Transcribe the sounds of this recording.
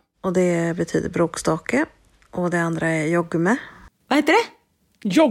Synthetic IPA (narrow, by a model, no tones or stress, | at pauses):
ɔd̪ɛbɛt̪ʰy̰ːd̪ə̰ɾbɾoːkst̪ɑːkə | ʔɔd̪ɛand̪ɾaɛɾjɔɡːmɛvahɛt̪ːəɖɛ | jɔ